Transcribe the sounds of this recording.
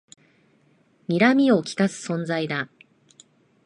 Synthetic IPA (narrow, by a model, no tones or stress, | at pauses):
mʲiɾamʲio̞kʲi̥kasɨ̥sõ̞nzaid̪a